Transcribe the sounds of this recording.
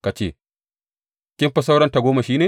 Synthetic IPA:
ka˨t͡ʃḛː˦˨ | kʲɪ˦mɸɐ˦s̬a˦wɽɐ˦nta˨ɡʷoː˦ma˨ʃiː˦neː˨

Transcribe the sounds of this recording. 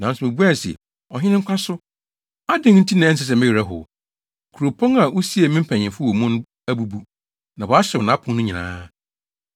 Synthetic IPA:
nã˨n˦sʊ˨mɪ̃˨bu˦a˦˨sɪ̰˨ | ɔ˨ɦɪ˦nɪ̃˦ŋ̩˦kʷʰã˦sʊ˦ | a˦dɪ̃˦ŋ˦n̩˦tʰi˦nã˨ɛ̃˦s̬ɪ˨s̬ɛ˨mɪ˦ɥi˨ɾa˦ɦʊ̰˨ | kʰu˨ɾo˨pʰɔ̃˦ŋa˨ʔu˦si˦e˨mɪ̃˦m̩˦pʰã˨ɲɪ̃˨fʊ˦o˨mũ˦n˦ | æ˦bu˦bu˦ | nã˨wɔ˨a˦ɕɛ˨nã˨˦pʰʊ̃˨ŋnʊ̃˦ɲĩ˨nã̰ː˦

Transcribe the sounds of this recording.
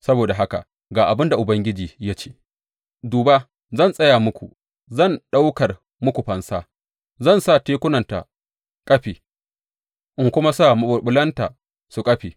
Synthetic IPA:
sɐ˦boː˨da˨ɦa˦ka̰˨ | ɡaː˨ʔa˨bɪ˦nda˨ʔʊ˨bɐ˦ŋɡʲɪ˦d͡ʒiː˨ja˦t͡ʃeː˦ | duː˨ba˦ | zɐ˦˨nsʼɐ˦jaː˨mʊ˦kʷṵ˨ | zɐ˦˨nɗa˦wkɐ˨r | mʊ˦kʷu˨ɸɐ˨nsaː˦ | zɐ˦˨nsaː˦˨teː˦kʷʊ˦nɐ˨nta̰˨ | kʼɐ˦ɸiː˨ | ʔɪ˦ŋkʷʊ˦ma˦saː˦˨mɐ˨ɓʊ˨ɓʊ˦lɐ˦nta˨ | su˨kʼɐ˦ɸiː˨

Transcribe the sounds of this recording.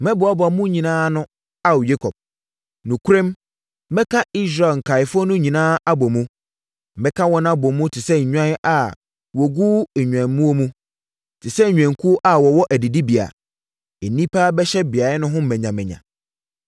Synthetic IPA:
mɛ̃˦bʊ˨a˦bʊ˨a˨mũ˦ɲĩ˨nãː˦nʊ̃˦ | a˦wje˦kʰɔ˨p̚ | nũ˨kʰu˦ɾẽ˦mː | ɛ̃˦kʰa˦i˦s̬ɾa˨lŋ̩˨kʰa˨ɪ˨fʊ˦ɔ˦nʊ̃˦ɲĩ˨nãː˦a˦bɔ˨mũ˦ | mɛ̃˦kʰa˦wɔ˦ñ˦a˦bɔ˨mũ˦tʰɪ˨sɛ˦ɲ̩˨ɲᶣã˦ʔa˨ | wɔ˨ɡuː˦ɛ˨ɲᶣ˨ã˨˦mũ˦o˦mũ˦ | tʰɪ˨sɛ˦˨ɲᶣɛ̃˨ŋ˨kʰu˦ʔa˦wɔ˨wɔ˦ʔæ˨di˨di˦bi˨a̰˨ | e˨nĩ˦pʰaː˦bɛ˦ɕɛ˦bɪ˨a˨˦nʊ̃˦ɦʊ̃˦m̩˦mɛ̃˨ɲã˨mɛ̃˨ɲã̰˨

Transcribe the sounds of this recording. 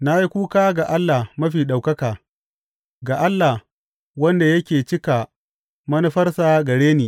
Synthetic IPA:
na˦ji˦kʷuː˦kaː˦ɡa˨ʔa˦lːa˨hmɐ˦ɸiː˨ɗa˨wkɐ˦kaː˨ | ɡa˨ʔa˦lːa˨h | wɐ˦nda˨jɐ˦kʲeː˨t͡ʃɪ˦ka˨ | mɐ˦nu˦ɸɐ˦rsaː˨ɡɐ˨ɽeː˦niː˨

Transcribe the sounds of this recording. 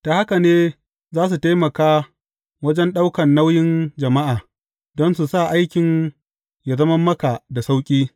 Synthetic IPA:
ta˨ha˦ka˨neː˦ | zaː˦s̬u˨ta˦jmɐ˨kaː˦ | wɐ˦d͡ʒɛ˦nɗa˦wkɐ˨nːa˦wjɪ˦nd͡ʒɐ˨ma˦ʔaː˨ | dɔ˦nsu˨sa˦˨ʔa˦jkʲɪ˨n | ja˨zɐ˦mɐ˦mːɐ˦ka˨da˨sa˦wkʲʼiː˦

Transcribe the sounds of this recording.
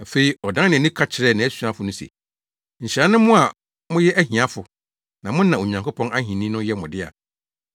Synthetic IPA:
a˨fe˨i˨ɔ˨dã˦nɪ̃˨nĩ˦kʰa˦t͡ɕʰɪ˨ɾɛ˦˨nã˨˦ɛ˦su˦ã˦fʊ˨nʊ̃˦sḛ˨ | ɲ̩˨ɕɪ˨ɾa˦nɪ̃˦mʊ̃˦a˨ | mʊ̃˦jɛ˦ʔæ˦ɦĩ˨a˦fʊ˨ | nã˨mʊ̃˦n̩ː˦ã˨o˨ɲã˨ŋkʰo˦pʰɔ̃˦na˦hĩ˨nĩ˦nʊ̃˦jɛ˦mʊ̃˨dɪ˦a̰˨

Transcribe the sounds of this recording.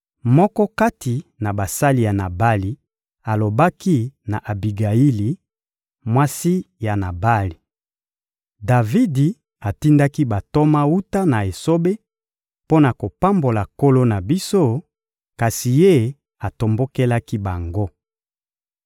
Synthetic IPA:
mɔ˦kɔ˦ka˦tʰi˨na˨ba˨sa˦li˨ja˨na˨ba˦li˨ | a˨lo˨ba˦ki˦na˨ʔa˨bi˨ɡa˨i˦li˨ | mwa˦si˦ja˨na˨ba˦li˨ | da˨vi˦di˨ | a˨ti˦nda˦ki˦ba˨to˦ma˦u˦ta˦na˨e˨so˦be˦ | po˦na˨ko˨pa˦mbo˨la˨ko˦lo˦na˨bi˦so˦ | ka˨si˨je˦ | a˨to˨mbo˦ke˦la˦ki˦ba˨ŋɡo˦

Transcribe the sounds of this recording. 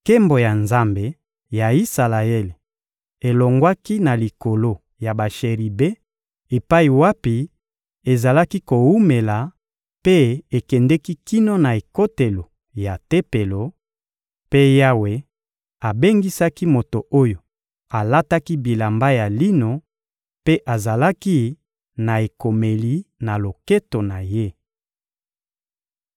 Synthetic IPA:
ke˦mbo˨ja˨nza˦mbe˨ | ja˨i˦sa˨la˨e˦le˨ | e˨lo˨ŋɡwa˦ki˦na˨li˨ko˨lo˦ | ja˨ba˨ʃe˨ʁi˨be˦ | e˨pa˦i˨wa˦pi˨˦ | e˨za˨la˦ki˦ko˨wu˦me˨la˨ | pe˦e˨kɛ˨ndɛ˦ki˦ki˦no˦na˨e˨ko˦te˨lo˨ | ja˨te˦pe˨lo˨ | pe˦ja˦we˦ | a˨be˦ŋɡi˦sa˦ki˦mo˨to˨ʔo˦jo˨ | a˨la˦ta˦ki˦bi˨la˨mba˦ja˨li˦no˨ | pe˦ʔa˨za˨la˦ki˦ | na˨e˨ko˨me˨li˨na˨lo˨ke˦to˨na˨je˦

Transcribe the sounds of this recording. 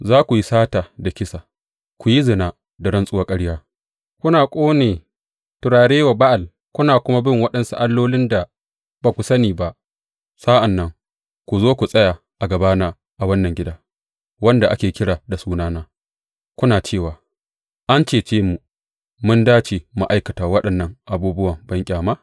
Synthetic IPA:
zaː˦kʷu˨ji˦saː˦taː˨da˨kʲɪ˦saː˨ | kʷu˨ji˦zɪ˨naː˨ | da˨ɽɐ˦nsʼʊ˦wa˦kʼɐ˦ɽjaː˦ | kʷʊ˦naː˨kʷʼoː˦neː˨ | tʊ˨ɾaː˨ɽeː˦wa˨ba˦ʔa˨l | kʷʊ˦naː˨kʷʊ˦ma˦bɪ˦˨ŋwɐ˦ɗɐ˨nsu˦ʔa˦lːoː˦lɪ˦nda˨ | baː˨kʷu˨sɐ˦niː˨ba˦ʔ | saː˦ʔa˨nːɐ˦ŋ | kʷu˨zoː˦kʷu˨sʼɐ˦jaː˨ | ʔa˨ɡɐ˨baː˦naː˦ | ʔa˨wɐ˦nːɐ˨ŋɡʲɪ˦daː˦ | wɐ˦nda˨ʔa˦kʲeː˨kʲɪ˦ɽaː˨da˨suː˦naː˦naː˦ | kʷʊ˦naː˨t͡ʃeː˦˨waː˨ | ʔa˦nt͡ʃeː˨t͡ʃeː˦mu˨ | mʊ˦ndaː˦t͡ʃe˨ma̰˦ʔa˦jkɐ˨taː˨wɐ˦ɗɐ˨nːɐ˨ŋʔa˨buː˦bʊ˦wɐ˨mbɐ˦ŋkʲʼaː˨ma˦

